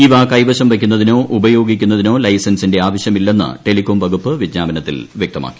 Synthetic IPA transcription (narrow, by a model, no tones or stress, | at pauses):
iʋaːkɐjʋɐɕɐmʋɐkʲːunːɐðino̞ːʔubɐjo̞ːɡikʲːunːɐðino̞ːlɐjsɐnsinde̞aːʋɐɕjɐmilːe̞nːɨ̰ʈe̞likoːmʋɐɡupːɨʋidɲaːbɐnɐt̪ːḭlʋjekt̪ɐma̰ːkːi̥